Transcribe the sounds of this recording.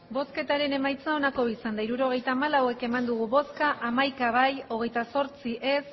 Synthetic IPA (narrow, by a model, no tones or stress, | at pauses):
bo̞ske̞t̪aɾe̞ne̞majt͡sao̞nako̞βisand̪aiɾuɾo̞ɣ̞e̞jt̪aːmalaweke̞mand̪uɣ̞uβo̞skaʔamajkaβ̞ajo̞ɣ̞e̞jt̪aso̞ɾt͡siʔe̞s